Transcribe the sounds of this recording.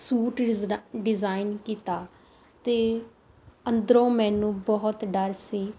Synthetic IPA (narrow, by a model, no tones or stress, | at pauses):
suːʈɖɪzaːɪnkiːt̪aː | t̪eː | ənd̪əɾõːmɛ̃ːnũːbɔɦʊt̪ɖəɾsiː